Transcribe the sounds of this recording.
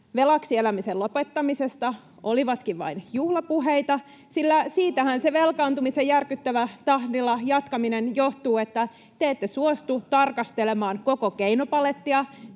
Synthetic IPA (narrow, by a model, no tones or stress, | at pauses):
ʋe̞lɑksielæmiselo̞pet̪ːɑmise̞st̪ɑ | ʔo̞liʋɑt̪kiʋʋɑ̰injuhlɑpuɦejt̪ɑ | silːæsiːt̪æhænse̞ʋe̞lkɑːnt̪umisejjærkyt̪ːæʋæt̪ɑhdilːɑjɑt̪kɑminenjo̞ht̪uːet̪ːæ | t̪eet̪ːesuost̪ut̪ɑrkɑst̪ele̞mɑːnko̞ko̞keinopɑlet̪ːiɑ